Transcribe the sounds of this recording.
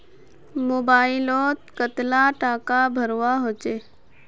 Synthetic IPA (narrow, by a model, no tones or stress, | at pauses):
moːbaːilɔt̪kət̪laʈaːkabʱəɾʋaɦot͡ʃe